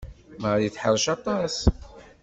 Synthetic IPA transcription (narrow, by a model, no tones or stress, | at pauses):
məɾjiθħəðˤʃɑt̪ˤɑs